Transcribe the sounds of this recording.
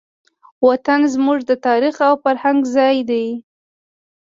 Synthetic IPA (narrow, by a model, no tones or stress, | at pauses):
wat̪anzmuʐd̪ət̪ɑɾixawfaɾhaŋɡzɑjd̪aj